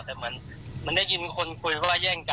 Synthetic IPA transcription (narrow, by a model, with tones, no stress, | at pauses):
t̪ɛː˨˩mɯ˩˦ən | mɯ˧˥nda˥˩ji˧nkʰo˧nku˧jwaː˥˩jɛː˥˩ŋka˧